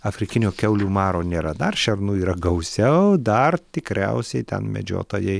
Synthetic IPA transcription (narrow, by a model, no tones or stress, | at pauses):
ɐfʲɾʲɪkʲɪnʲoːkʲɛʊlʲuːmɑːɾoːnʲeːɾɐd̪ɐrʃʲɛrnuːiːɾɐɡɐʊsʲɛʊd̪ɐrt̪ʲɪkɾʲɛ̰ʊsʲɛɪt̪ʲɛ̰nmʲɛ̰d͡ʒʲo̰ːt̪oːjɛɪ